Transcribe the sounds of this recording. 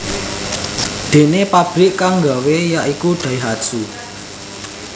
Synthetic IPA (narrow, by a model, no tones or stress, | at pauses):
d̪̥e̤nepab̥ɾɪʔkaŋɡawejaʔikuɖ̪̥ä̤iɦad̥ʒ̥u